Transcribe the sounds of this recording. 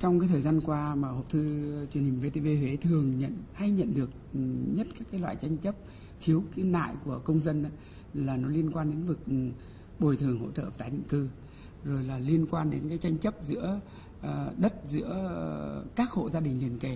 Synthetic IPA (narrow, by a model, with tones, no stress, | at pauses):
t͡ɕɔ˧wŋ͡mkaː˨˦jt̪ʰəː˨˩jzaː˧nkwaː˧maː˨˩ho˨˩p̚t̪ʰɨ˧t͡ɕwi˨˩ənhi˨˩ŋ̟ve˧t̪e˧ve˧we˨˦t̪ʰɨ˨˩əŋɲə̰˧˨nha˧jɲə̰˧˨nɗɨ˨˩ək̚ɲə˦˥t̚kaː˦˥kaː˨˦lwa̰ː˧˨jt͡ɕa˧jŋ̟t͡ɕə˦˥p̚ | xʰi˨˦əwka˨˦na̰ː˧˨jku˧˩əkə˧wŋ͡mzə˧nʔaː˨˦ | laː˨˩nɔ˨˦li˧ənkwaː˧nɗe˨˦nvɨ˨˩k̚ | ɓo˨˩jt̪ʰɨ˨˩əŋho̰˧˥t͡ɕə̰ː˧˨˩t̪aː˨˦jɗḭ˧˨ŋkɨ˧ | zo˨˩jlaː˨˩li˧ənkwaː˧nɗe˨˦nkaː˨˦jt͡ɕa˧jŋ̟t͡ɕə˦˥p̚zɨ̰˧˥ə˨˩ | ɗə˦˥t̚zɨ̰˧˥ə | kaː˦˥k̚ho̰˧˨zaː˧ɗï˨˩ŋ̟li˨˩ənke˨˩